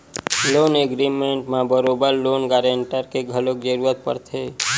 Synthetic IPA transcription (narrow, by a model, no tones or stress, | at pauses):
loːneɡɾimẽɳʈmabəɾoːbəɾloːnɡaːɾeɳʈəɾkeɡʱəlokd͡ʒəɾuɾət̪̚pə̰ɾt̪ʰeː